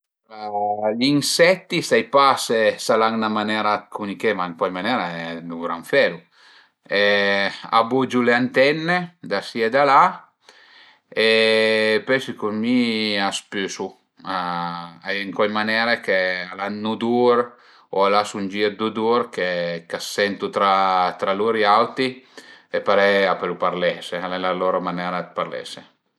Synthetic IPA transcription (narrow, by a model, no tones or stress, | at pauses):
aʎinsɛt̪ːist̪ajpasesalaŋnamanɛɾakʰunikemaŋkɔjmanɛɾaɛd̪uɡɾaɱfɛɾu | ea̰bud͡ʒuleant̪ɛnːed̪asied̪ala | e | pɛsikumiaspysu | aɛŋkwɔjmanɛːɾekealanːud̪uɾ | oalasund͡ʒiɾd̪ud̪uɾkekasːɛnt̪ut̪ɾat̪ɾaluɾiawt̪iepaɾɛapelupaɾlɛsealɛlaloɾomanɛɾad̪̚paɾlɛ̰se